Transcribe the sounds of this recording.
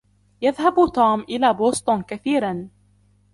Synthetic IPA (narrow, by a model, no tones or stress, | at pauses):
jaðhabt̪oːmʔɪlaːboːst̪ʊnkaθiːɾan